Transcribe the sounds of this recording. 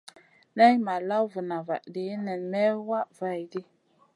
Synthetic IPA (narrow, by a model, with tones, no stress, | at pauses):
na˦jma˨la˦wvə˨na˨va̰˨ʔde˨˦nɛ˨nmɛ˦wa˦ʔva˦˨jdi˦